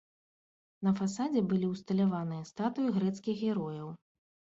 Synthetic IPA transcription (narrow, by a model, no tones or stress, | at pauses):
nɐfasad͡zʲɛbɨlʲiwst̪ɐlʲavanɨjɐst̪at̪ujuɣɾɛt̪skʲiɣɣʲɛɾɔjɐw